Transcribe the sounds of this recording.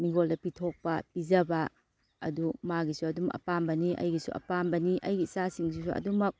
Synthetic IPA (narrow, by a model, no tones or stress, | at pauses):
miŋɡoldɐpitʰok̚pɐpizɐbɐ | ɐ̰dumaɡisuɐdumɐkɐ̰pambɐniʔɐ̰jɡisṵɐ̰pambɐniʔɐjɡisasiŋs̬isuɐ̰dumɐk̚